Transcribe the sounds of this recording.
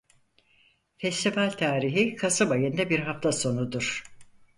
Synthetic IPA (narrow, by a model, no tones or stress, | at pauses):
fɛst̪ʰifalʲt̪ʰaːɾiɦikʰasɯbajɯnd̪ɛbiɾɦaft̪ʰaso̞nud̪uɾ̥